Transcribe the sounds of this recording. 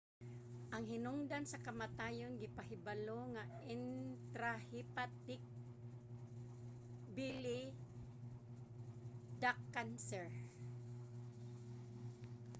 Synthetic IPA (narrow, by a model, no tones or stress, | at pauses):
ʔaŋhɪnʊŋd̪ansakamat̪ajonɡɪpaɦɪbaloŋaɪnt̪ɾahipat̪ɪk̚ | bilɪ | d̪akːansɛɹ